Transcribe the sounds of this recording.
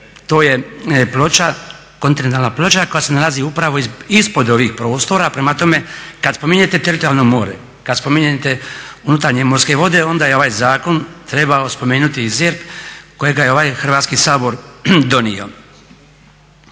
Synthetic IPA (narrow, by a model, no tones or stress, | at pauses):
t̪o̞ːje̞plot͡ʃa | ko̞nt̪inent̪alnaplo̞t͡ʃako̞jase̞nalaziupɾaʋo̞ispo̞d̪o̞ʋixpɾo̞ːst̪o̞ɾapɾemat̪o̞me̞kad̪spo̞miɲet̪e̞t̪eɾit̪oalˠnomo̞ːɾe | kad̪spo̞miɲet̪eunut̪aɾɲemo̞ɾske̞ʋo̞d̪e̞o̞nd̪aːjeo̞ʋaːjzaːko̞nt̪ɾe̞baospo̞me̞ːnut̪izeɾpko̞jeɡajeo̞ʋajxrʋaːt̪skisaːbo̞ɾd̪o̞nio̞̰